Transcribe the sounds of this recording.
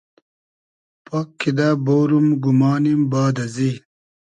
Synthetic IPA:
pokʰːid̪aboːɾumɡumaːnimbaːd̪ɐzi

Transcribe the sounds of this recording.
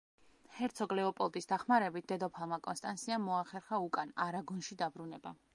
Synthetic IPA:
hɛɾt̪sʰɔɡlɛɔpʼɔlˠt̪ʼisd̪aχmaɾɛbit̪̚ʰd̪̥ɛd̪ɔpʰalˠmakʼɔnst̪ʼansʰiamːɔaχɛɾχaukʼanaɾaɡɔnʃid̪abɾunɛba

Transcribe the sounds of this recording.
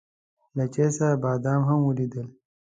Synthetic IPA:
lɐt͡ʃesabɑːd̪aːmɦɐmwulid̪əl

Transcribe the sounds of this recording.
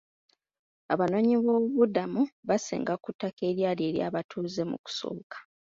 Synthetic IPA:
a̰βano̞ːɲiβo̞ːβudamuβasḛːŋɡakutːake̞ːɾjaːle̞ːɾja̰ːβatʰuːze̞mṵku̥so̞̰ːkḁ

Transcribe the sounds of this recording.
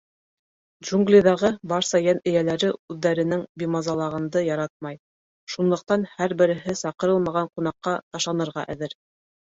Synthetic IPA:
dʒuŋɡlʲiðɑʁɤbɑɾsɑjænɘ̆jælæɾɘʉðːæɾɘ̆nɘŋbʲimɑzɑlˠɑʁɤ̆nd̪ɤjɑɾɑt̪̚mɑj | ʃunlˠɤ̆q̚t̪ɑnhæɾbɘ̆ɾɘ̆ɦɘsɑqɤ̆ɾɤlˠmɑʁɑɴqunɑqːɑt̪ɑʃlˠɑnɤ̆ɾʁɑʔæ̰̆ðɘɾ

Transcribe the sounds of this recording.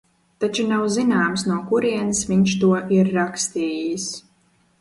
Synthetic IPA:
t̪at͡ʃunawzinaːmsnuɔkuɾiɛnsviɲʃt̪uɔʔiɾːakst̪iːjis

